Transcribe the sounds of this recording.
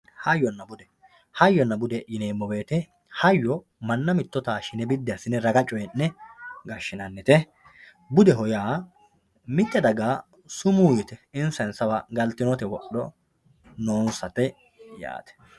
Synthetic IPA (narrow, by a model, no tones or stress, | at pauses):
hɐjːɔnːɐbʊd̪ɛ | hɐjːɔnːɐbʊd̪ɛjɪneːmːɔbe̞ːt̪ɛ | hɐjːɔ | mɐnːɐmɪt̪ːɔt̪aːʃɪnɛbɪd̪ːɪɐsɪnːɛɾɐɡɐt͡ʃʼːɔjɛnːɛɡɐʃːɪnɐnːɛt̪ɛ | bʊd̪ɛɦɔjaː | mɪt̪ːɛd̪ɐɡaː | sʊmuːjɪt̪ɛɪnsɐnsɐwɐɡɐlt̪ːɪnɔt̪ɛwɔɗɔ | noːnsɐt̪ɛ | ja̰ːt̪ɛ̥